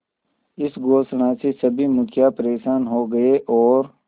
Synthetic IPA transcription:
ɪsɡoːsɳãsesɐbʱimʊkʰjapɐɾeːʃaːnɦoɡɐeʔɔːɾ

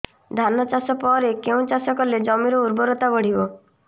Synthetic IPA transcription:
d̪ʱanɔt͡ʃasɔpɔɾekeũt͡ʃasɔkɔled͡ʒɔmiɾɔuɾbɔɾot̪abɔɽ̤ibɔ

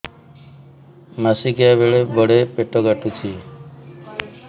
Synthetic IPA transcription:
masikabeɭebɔɽepeʈɔɡaʈut͡ʃʰi

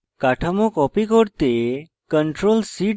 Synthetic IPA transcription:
kaʈʰəmokɔpikoɽt̪e | kəɳʈɾolsi

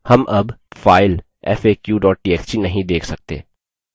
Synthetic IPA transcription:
hɐmʔɐb | faːɪl | ɛ̰ːfeːkjuːɖɔːʈ̚ʈiːɛːst͡ʃinɐɦĩd̪eːkʰsɐk̚t̪ḛː

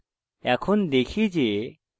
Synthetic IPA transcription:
ɛkʰɔnd̪ekʰid͡ʒe

